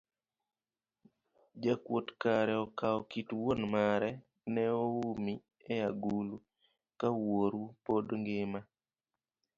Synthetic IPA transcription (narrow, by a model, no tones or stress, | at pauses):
d͡ʒakwotkaɾɛɔkaɔkitwonmaɾɛ | nɛoumi | ɛjaɡulu | kawoɾupodŋɡɪma